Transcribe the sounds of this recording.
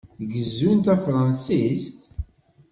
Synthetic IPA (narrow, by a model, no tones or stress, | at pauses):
ɡəzːunt̪æfɾˤɑnsist̪